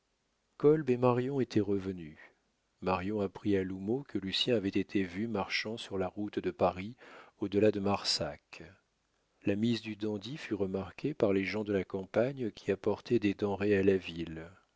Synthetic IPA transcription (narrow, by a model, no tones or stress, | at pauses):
kɔlbemaʁjɔ̃et̪ʰɛʁəvəny | maʁjɔ̃apχialumokʰəlysjɛ̃avɛt̪et̪ʰevymaʁʃɑ̃syʁlaʁut̪d̪əpaʁiod̪əlad̪əmaʁsak | lamizd̪yd̪ɑ̃d̪ifyʁəmaʁkʲʰepaʁleʒɑ̃d̪əlakɑ̃paɲkʲiapɔʁt̪ɛd̪ed̪ɑ̃ʁealavil